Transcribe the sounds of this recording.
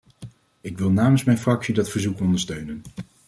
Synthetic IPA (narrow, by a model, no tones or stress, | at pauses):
ɪkʋɪlˠnaːmənsmɛjnfrɑksidɑtfəɹzukɔndəɹstøɥnən